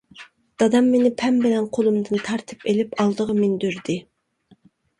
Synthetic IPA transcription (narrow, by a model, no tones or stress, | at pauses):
d̪̥ɑd̪ɑmːenɪpʰɛmbɪlɛnqʰolˠumd̪ɨnt̪ʰɑɾt̪ʰɨ̥pelɪpɑlˠd̪əʁɑmend̪yɾd̪ɪ